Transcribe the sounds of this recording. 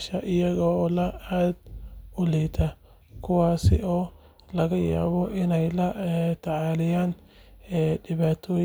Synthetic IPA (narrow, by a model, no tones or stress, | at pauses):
ʃɐʔɪjɐɣɔːlɐaːd̪ʊliːt̪ʰɐ | kʰʊwaːsɪ̰ʔɔː | lɐɣɐja̰ːβɔʔɪnɛjlɐt̪ʰɐʕɑːlɪjaːnː | ɖɪβaːt̪ʰɔː